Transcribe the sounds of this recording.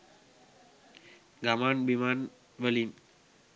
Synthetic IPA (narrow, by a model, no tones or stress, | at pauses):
ɡamanbiman | wəlim